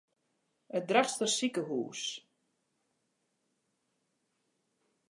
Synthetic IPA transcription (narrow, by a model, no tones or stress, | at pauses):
ət̚draχstəsikəɦṵːs